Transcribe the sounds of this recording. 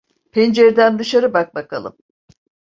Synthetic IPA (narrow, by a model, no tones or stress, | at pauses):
pʰend͡ʒeɾd̪ænd̪ɯʃaɾɯbak̚bakʰa̰lˠɯ̰m